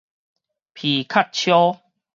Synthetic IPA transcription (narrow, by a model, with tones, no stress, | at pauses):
pʰi˨˩kʰa˥˨t̚t͡ɕʰjɔ˦